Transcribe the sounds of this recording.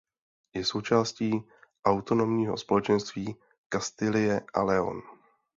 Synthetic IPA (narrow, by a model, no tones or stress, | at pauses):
jɛso̞wt͡ʃaːsciː | ʔawt̪o̞no̞mɲiːɦo̞spo̞lɛt͡ʃɛnst̪viː | kast̪ɪlɪjɛʔa̰lɛo̞̰n